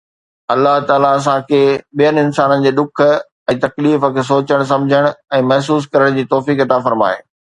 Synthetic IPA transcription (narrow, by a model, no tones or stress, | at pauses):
ɐlːaɦt̪aːlaɐs̬ãkʰeːɓijənɪnsaːnənɪ̆d͡ʑeːɗ̪ʊk̆ʰ | ɛ̃ːt̪ɐkliːfə̆kʰeːs̬oːt͡ɕəɽ̃s̬ɐ̃md͡ʑʱəɽ̃ʊɛ̃ːmɐɦs̬uːs̬kɐɾəɽ̃d͡ʑiːt̪ɔːfiːkɐt̪afɐɾma̰ːḛː